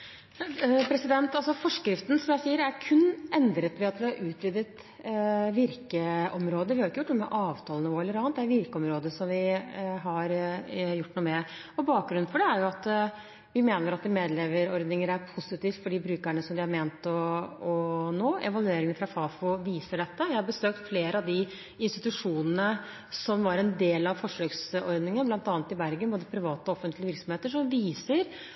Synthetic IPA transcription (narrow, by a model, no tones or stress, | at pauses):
pʰɾɛsɪd̪ɛnt̪ɑlsɔfɔʂkɾɪft̪nsɔmjæɪsiːəɾæɾkʰʉnːɛnd̪ɾət̪ʋɛɑt̪ʋɪhɑɾʔʉːt̪ʋʏd̪ət̪ | ʋɪɾkəʔɔmɾoːd̪əʋɪhɑɾʊɪkːəjʊʈːnuːmɛ̰ʔɑːʋt̪ʰɑːlnɪʋoːɛlːəɾɑnət̪̚d̪æɾʋɪɾkəɔmɾoːd̪əsɔmʋɪɦɑɾjʊʈːnuːmɛɔbɑːk̚ɡɾʉnfɔɖɛæɾjʊɑt̪ | ʋɪmeːnəɾɑt̪d̪ɪmeːd̪lɛʋəɾɔɾd̪nɪŋəɾæɾpʰʊsɪt̪iːft̪fɔɖiːbɾʉːkæɳəsɔmd̪ɪhɑɾmeːnt̪ɔɔnoːʔɛ̰ʋɑlʉeːɾɪŋənfɾɑfɑːfʊʋiːsəɖɛt̪ːəjæɪhɑɾbəsøːk̚t̪fleːɾəɑʋd̪ɪ | ɪnst̪ɪt̪ʉʂuːnənə | sɔmʋɑɾɛnd̪eːlɑʋfɔʂøːksɔɾd̪nɪŋənblɑnt̪ɑːnət̪ɪbæɾɡənboːd̪əpʰɾɪʋɑːt̪əɔɔfənt̪lɪəʋɪɾksɔmheːt̪əʂɔmʋiːsəɾ